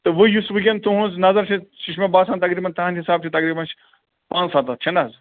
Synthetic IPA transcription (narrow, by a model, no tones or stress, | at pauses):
t̪ɨʋɨjusʋikʲẽnd̪t̪uɦũznɐzɐɾt͡ʃʰẽʃiʃmẽbaːsaːnt̪ɐkɾiːbɐnt̪ɐɦãnɦisaːb̚t͡ʃʰit̪ɐkɾiːbɐns | pãːnt͡ssat̪ɐt̪̚t͡ʃʰɐnaz